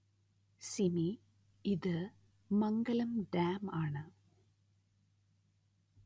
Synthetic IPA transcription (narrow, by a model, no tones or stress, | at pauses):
simi | iðɨ | mɐŋɡɐlɐmɖaːmaːɳɨ